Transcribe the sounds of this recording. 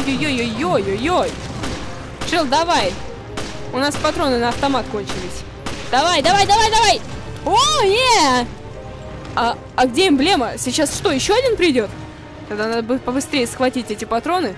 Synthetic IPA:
jojːojojːojojːoj | ʂɨlˠd̪ɐvaj | ʊnaspɐt̪ɾo̞nɨnəɐft̪ɐmat̪ko̞nʲt͡ɕɪlʲɪsʲ | d̪̥ɐvajd̪ɐvajd̪ɐvajd̪ɐvajoje | a | ɐɡdʲeimblʲeməsʲɪt͡ɕːasʂt̪o̞jɪɕːo̞ɐdʲinpɾʲɪdʲo̞t̪ | t̪ɐɡd̪anad̪əbɨpəbɨst̪ɾʲejʊsxvɐtʲitʲɛtʲɪpɐt̪ɾo̞nɨ

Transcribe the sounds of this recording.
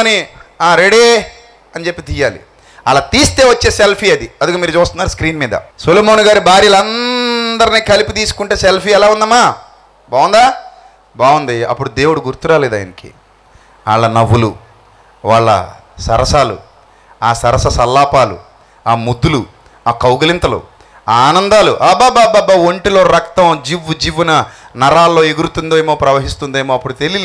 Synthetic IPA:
ɐniaːɾeɽie | ɐnt͡ʃe̞pːit̪ijaːlḭ | ɐlaːt̪iːst̪e̞ːʋɐt͡ʃːe̞ːselpʰiːɐd̪iɐd̪ukoːmiːɾut͡ʃuːst̪unːaːɾuskɾiːnmiːd̪ɐ̰suloːmoːnuɡaːɾubaːɾijlɐnd̪ɐɾiniːkɐlipit̪̬iːsu̥kuɳʈeːselpiːɛlaːund̪ɐmːaː | baːʋund̪aː | baːʋund̪iɐ̰pːuɽud̪e̞ːwuɽuɡuɾt̪uɾaːleːd̪aːjnɐkḭ | a̰ːɭːɐnɐʋːulu | ʋaːɭːɐ̰sɐɾɐsaːlṵ | aːsɐɾɐsɐsɐlːaːpaːlṵ | aːmud̪ːulu | aːkɐwɡɐlint̪ɐlo̰ː | aːnɐnd̪aːlṵʔaːbaːbaːbaːbaoɳʈilo̞ːɾɐkt̪ɐmd͡ʒiʋːud͡ʒiʋunɐnɐɾaːlːo̞ːeɡuɾut̪und̪eːjmoːpɾɐʋɐɦist̪und̪ejmoːɐpːuɽut̪elil

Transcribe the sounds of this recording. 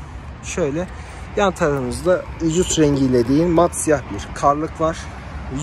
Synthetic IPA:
ʃø̞jlʲɛ | jant̪ʰaɾɯɯnɯzd̪ayd͡ʒusɾɛɲɟilʲed̪iinmat̪sijahbiɾkʰaɾlˠɯklˠaɾ̥

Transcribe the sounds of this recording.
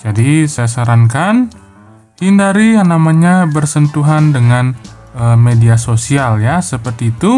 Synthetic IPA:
d͡ʒadisajas̬aɾaŋkan | h̪indaɾijaŋnamaɲabərsənt̪uɦandəŋan | əmediasosialjasəpərt̪iːt̪u

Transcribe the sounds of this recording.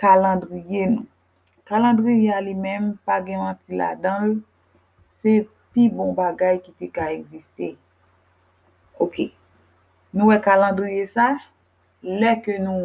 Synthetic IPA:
kalɑ̃dɣijenũ | kalɑ̃dʁijealimɛ̃mpaɡɛ̃vɑ̃tila̰d̪ʌ̃l | se | pibɔ̃baɡajkit̪ekaeɡzist̪e | oke | nũwɛkalɑ̃dɣijesa | lɛkønũ

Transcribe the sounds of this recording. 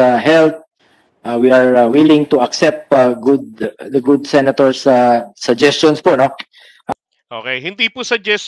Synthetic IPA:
aɦɛlt̪̚ | ʔawiaɹawɪlɪ̃ŋt̪ʊɐksɛp̚t̪aɡʊd̪̚d̪ɐɡʊd̪̚sɛnɐt̪oɹsasɐd͡ʒɛst͡ʃɔnspono̞ | ʔ | ʔokejhɪnd̪ipʊsɐd͡ʒɛs

